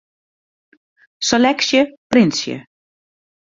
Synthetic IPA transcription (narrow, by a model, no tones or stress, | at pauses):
sɛlɛksjəprɪnsjə̰